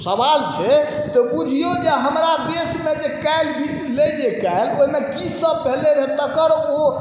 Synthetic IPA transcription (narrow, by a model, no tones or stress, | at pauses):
səbalt͡ʃʰɛt̪ɔbud͡ʒʱijod͡ʒeɦəmɾad̪esmed͡ʒekalbʱiʈled͡ʒekaeloɦimekisəb̚peleɾet̪əkəɾo